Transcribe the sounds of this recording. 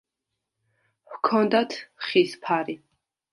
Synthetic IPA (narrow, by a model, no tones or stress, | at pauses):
wkʰɔnd̪at̪ʰχispʰaɾi